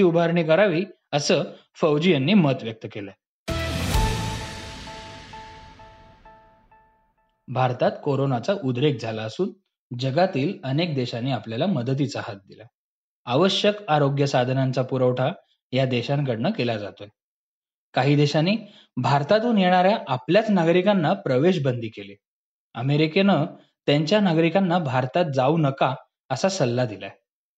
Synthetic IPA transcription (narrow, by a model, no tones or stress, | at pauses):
iːubʱaɾɳiːkəɾaʋiː | əsəː | fəwd͡ʑijənːiːmət̪ʋjək̚t̪əkelə | bʱaɾt̪at̪koɾonat͡saʔud̪ɾek̚d͡zʱalaəsuːn | d͡ʑəɡat̪iːlənek̚d̪eɕanːiːapljalaməd̪ət̪̬it͡sahat̪̚d̪ila | aʋəɕjəkaɾoɡjəsad̪ʱnant͡sapuɾəʋʈʰa | jad̪eɕãnkəɽnəkelad͡za̰t̪oe | kaɦiːd̪eɕanːiː | bʱaɾt̪at̪uːnjeɽ̃aɾjaʔapljat͡snaɡɾikanːapɾəʋeɕ̬bənd̪ʱiːkele | ə̰meɾikenə | t̪jaɲt͡ɕjanaɡɾikanːabʱaɾt̪at̪̚d͡zaunəka | əsasəlːad̪ila̰e